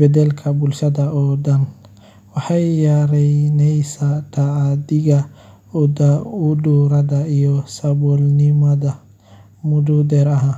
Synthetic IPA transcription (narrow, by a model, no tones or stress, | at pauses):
bɛd̪ɛlkʰɐbʊlʃɐðɐɔːɖɐn | wɑħɑjjaɾɛnɛjsat̪ʰaʕd̪ɪɣɐ | ɔd̪ɐʊɖuːɾɐðɐijɔsɐbɔlnɪmɐðɐ | mʊd̪ud̪ɛːɾɐɦaː